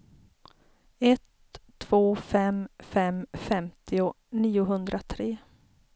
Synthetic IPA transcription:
ɛt̪ʰː | v̥oːfɛmfɛmfɛmt̪ʰɪʊ | niːʊɦɵnd̪ɾʔat̪ʰɾeː

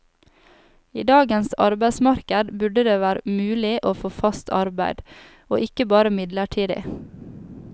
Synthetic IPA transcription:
ḭːd̪ɑːɡənsɑ̰ɾbæɪsmɑɾkəd̪bʉɖəd̪eːʋæːɾəmʉːlɪʔoːfoːfɑst̪ʰɑ̰ɾbæɪd̪̥ | o̰ːʔɪkəbɑːɾəmɪd̪ləʈʰiːd̪ɪ̰

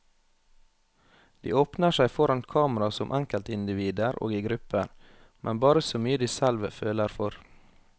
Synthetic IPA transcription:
d̪̥ḭːoːpnəʃæɪfɔɾɑnt̪kʰɑːmɾɑsɔmʔæŋkəlt̪əɪnd̪ɪʋiːd̪əɾʔo̰ːɡiːɡɾʉpəɾ | mʔɛnbɑːɾəsoːmyːəd̪iːsælʋəføːləɾfɔɾ

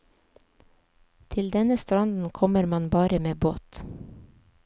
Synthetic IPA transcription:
t̪ʰɪld̪ɛnəst̪ɾɑnd̪n̩kʰɔməɾmɑnbɑːɾəmeːboːt̪

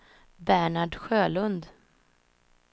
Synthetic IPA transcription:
bæɳaɖɧøːlɵnd̪

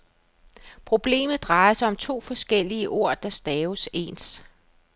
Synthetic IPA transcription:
pʰʁo̝b̥le̝̰ːmð̩ˠd̥ʁɑ̈ɪɐsɑ̈ɪɒ̽mt͡sʰo̝̰ːfɒ̽sɡ̥el̰iəʔo̝ɐ̰d̥ɑ̈sd̥ɛːʊse̝̰ːns

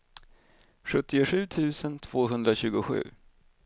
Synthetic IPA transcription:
ɧɵt̪ːɪʊɧʉ̟ːt̪ʰʉ̟ːsənt̪ʰv̥oːɦɵnd̪ɾaɕʉ̟ːɡʊɧʉ̟̰ː

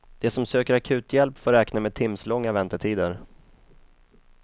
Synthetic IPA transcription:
d̪̥ɛsɔmsøːkəɾakʰʉ̟ːt̪jɛlpfoːɾɛːknameːd̪̚t̪ʰɪmslɔŋːavɛnt̪əʈʰiːd̪əɾ

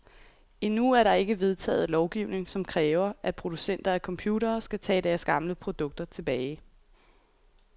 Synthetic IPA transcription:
inuæɐɾɑ̈e̝ɡ̥əʋe̝ð̞ˠt͡sʰɛ̰ːð̞̩ˠlɒʊɡ̥iʊne̝ŋsɒ̽mkʰʁɛːʊɐʔæ̥pʰʁo̝d̥usen̰d̥ɐækʰɒ̽mpʰjuːɾɐːsɡ̥æt͡sʰɛ̰ːd̥æɐsɡ̥ɑ̈mləpʰʁo̝d̥ɔ̽ɡ̥̚d̥ɐt͡sʰe̝b̥ɛːɪ

